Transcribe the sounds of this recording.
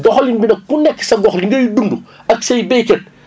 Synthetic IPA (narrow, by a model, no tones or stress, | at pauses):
dɔxɐlinbinɐkunɛkːsɐɡɔxliŋɡɐjudunduɐksɐjbɛjkɐn